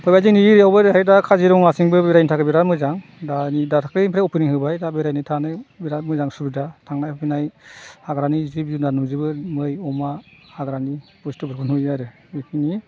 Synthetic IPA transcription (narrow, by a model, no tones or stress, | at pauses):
pʰɔjbaziŋniɾijawbɯɾɦajdakʰaziɾɔŋnasiŋbɯbeɾajnitʰakɯbiɾatmɯzaŋdanidatʰakɾɯmpʰɾaɔpʰɯnihɯbajdabeɾajnɯtʰanɯbiɾatmɯzaŋsubidatʰaŋnajapʰinajhaɡɾanizibzunanuzɯbɯmɯjɔmahaɡɾanipɔstɯbɯɾkʰɯnujaɾɯ | ikʰini